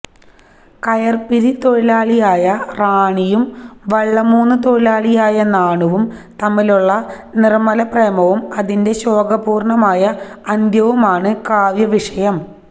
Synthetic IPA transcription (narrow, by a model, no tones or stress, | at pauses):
kɐjɐrpiɾit̪o̞ɻilaːɭijaːjɐraːɳijumʋɐɭːɐmuːnːɨt̪o̞ɻilaːɭijaːjɐnaːɳuʋum | t̪ɐmːiluɭːɐ | nirmɐlɐprejmɐʋumɐðinde̞ɕo̞ːɡɐpuːrɳɐmaːjɐɐnd̪jɐʋumaːɳɨkaːʋjɐʋiʂɐjɐm